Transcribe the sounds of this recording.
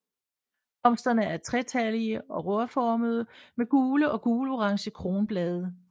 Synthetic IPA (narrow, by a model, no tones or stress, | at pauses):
bɒ̽m̰sd̥ɐnəæɐt͡sʰʁɛt͡sʰæliəɒ̽ʁɔɐfɒːməð̞ˠəmeɡ̥uːləʔɒ̽ɡ̥uːloʁɑ̈ŋɕəkʰʁo̝ːnb̥lɛːð̞ˠə